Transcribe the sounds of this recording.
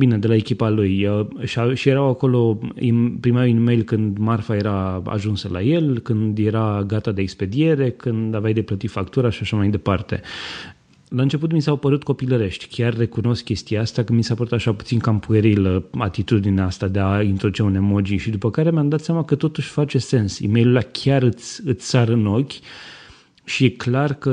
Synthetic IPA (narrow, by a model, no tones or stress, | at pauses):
bine̞d̪e̞lae̞kʲipalujəʃaʃijeɾawako̞lo̞ḭpɾimainime̞jlkɨnd̪marfaje̞ɾaa̰ʒunsəla̰je̞lkɨnd̪je̞ɾaɡat̪ad̪e̞ːkspe̞d̪ie̞ɾe̞kʰɨnd̪avajd̪e̞plət̪ifakt̪uɾaʃiaʃamajd̪e̞part̪e̞̰ | laɨnt͡ʃe̞put̪misapəɾut̪̚ko̞piləɾe̞ʃt̪ʲkʲarːe̞kuno̞skʲe̞st̪ijaast̪akəmisapəɾut̪aʃaput̪sinkampueɾiləat̪it̪ud̪ineast̪ad̪e̞aint̪ɾod̪ut͡ʃeune̞mod͡ʒiʃid̪upəkaɾe̞meamd̪at̪sjamakət̪o̞t̪uʃʲfat͡ʃe̞se̞nsḭmejlulakʲʰaɾɨt̪sʲɨt̪sʲsaɾɨno̞kʲ | ʃije̞klarkə